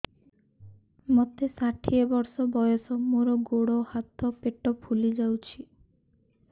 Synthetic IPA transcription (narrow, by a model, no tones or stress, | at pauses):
mɔt̪esaʈʰiebɔɾsɔbɔjɔsɔmoɾɔɡoɽɔhat̪ʰɔpeʈɔpʰulid͡ʒawt͡ʃʰi